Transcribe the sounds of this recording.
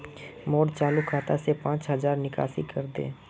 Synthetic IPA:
mɔːɽt͡ʃaːlukʰaːt̪asepãːt͡ʃɦəzaːɾnɪka̰ːsḭkəɾd̪ḛ̃ː

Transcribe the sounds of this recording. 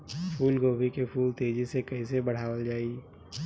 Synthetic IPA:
fuːlɡoːbʱikefuːlt̪ʰeːd͡ʒisekɐĩsebɐɽ̤aːwəld͡ʒaːi

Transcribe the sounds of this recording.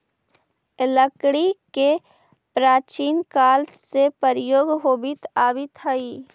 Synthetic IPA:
ləkɽike | pɾaːt͡ʃiːnkaːlsepəɾjoːɡɦoːbit̪aːbit̪ʰəiː

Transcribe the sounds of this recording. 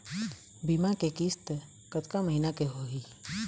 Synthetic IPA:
bimakekist̪ | kət̪kaməɦinakeɦoɦi

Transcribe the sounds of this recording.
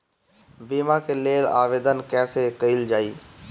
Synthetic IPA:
biːmãkeleːla̰ːʋeːd̪ənkɛːsekəɪld͡ʒaːiː

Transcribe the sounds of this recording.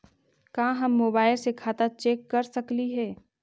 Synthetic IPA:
kãːɦɐmːoːbaːɪlsekʰaːt̪at͡ʃeːkːɐɾsɐkliɦɛː

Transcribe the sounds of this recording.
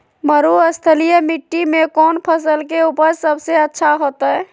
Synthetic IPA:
məɾuəst̪ʰəlijəmiʈːimekɔnpʰəsəlkeupəɾsəbseətːʃʰaɦot̪ə

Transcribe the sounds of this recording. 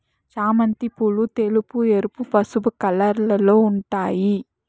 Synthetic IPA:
t͡ʃaːmɐnt̪ipuɭut̪elupueɾupupɐsubɐkɐlɐɾlɐlo̞ːuɳʈaːji

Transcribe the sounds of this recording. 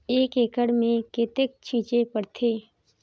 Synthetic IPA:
eːkeːkəɽmẽket̪ek̚t͡ʃʰĩːt͡ʃepəɽt̪ʰeː

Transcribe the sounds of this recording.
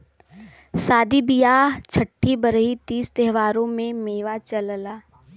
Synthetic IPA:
saːd̪ibijaːɦt͡ʃʰəʈʰːibɐɾəɦit̪iːst̪ɛɦʋaːɾõmẽmeːʋat͡ʃɐllaː

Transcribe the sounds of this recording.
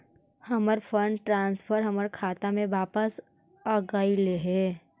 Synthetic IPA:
hɐməɾfʰəɳɖʈɾãːnspʰəɾɦɐməɾkʰaːt̪amẽʋaːpəs | aɡaːileɦɛ̃ː

